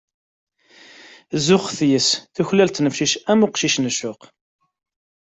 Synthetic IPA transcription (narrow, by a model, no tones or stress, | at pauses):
zʊχθjəsθuçlælt̪nəfʃiʃæmʊqʃiʃnəʃʊq